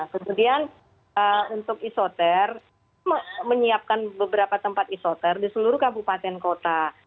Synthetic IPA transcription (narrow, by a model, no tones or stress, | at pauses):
kəmudian | əunt̪ʊkisot̪ɛr | məməɲiap̚kanbəbəɾapat̪əmpat̪isot̪ɛrdisəluɾʊkampupat̪ɛnkot̪a